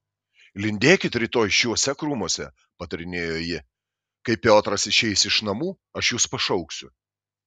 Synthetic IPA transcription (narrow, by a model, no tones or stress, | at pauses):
lʲɪnʲd̪ʲeːkʲɪt̪ɾʲɪt̪oːjʃʲjuɔsʲɛkɾuːmuɔsʲɛ | pɐt̪ɐɾʲɪnʲeːjoːjɪ | kɐɪpʲoːt̪ɾɐsɪʃʲɛɪsɪʃnɐmuː | ɐʃjuːspɐʃɐʊksʲʊ